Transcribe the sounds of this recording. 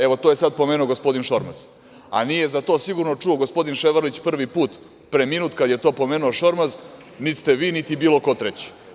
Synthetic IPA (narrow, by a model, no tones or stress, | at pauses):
e̞ʋo̞t̪ojesad̪̚po̞meːnuoɡospo̞d̪inʃo̞ɾma̰z̥ | a̰nijezat̪o̞ːsiɡuɾnot͡ʂuo̞ɡospo̞d̪inʃeʋaɾlit͡ɕpr̩ʋipuːt̪ | pɾeminuːt̪kad̪jet̪o̞ːpomeːnuoʃo̞ɾmaz | nit̪st̪e̞ʋiːnit̪ibiːlˠo̞ko̞t̪ɾet͡ɕi̥